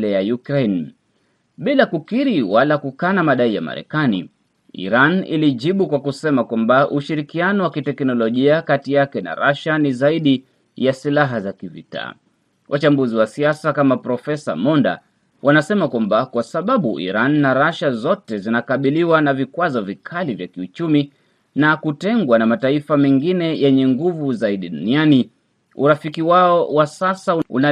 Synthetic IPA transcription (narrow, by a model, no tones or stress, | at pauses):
lɛjajukɾɛn | ɓilakukiɾiwalakukanamaɗaija̰ma̰ɾɛ̰kanḭ | ḭɾanḭliʄiɓukwakusɛmakwambaʔuʃiɾikianɔwakitɛknɔlɔʄiakatijakɛna̰ɾaʃanizaiɗi | jasilaɦazakivḭta̰ː | wʔat͡ʃambuziwasiasakamapɾɔfɛsa̰mɔnda̰ | wʔanasɛmakwambakwasaɓaɓṵʔḭɾanːaɾaʃazɔtɛzinakaɓiliwanavikwazɔvikʰalivjakiut͡ʃumi | nakutɛŋɡwanamataifamɛŋɡinɛjɛɲɛŋɡuvuzaiɗiɗuniani | ṵɾafikiwaɔwasasauṵna